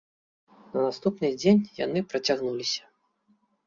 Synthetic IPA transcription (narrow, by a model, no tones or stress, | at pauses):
nɐnast̪upnɨd͡zʲenʲjanɨpɾɐt͡sʲaɣnulʲisʲɐ̥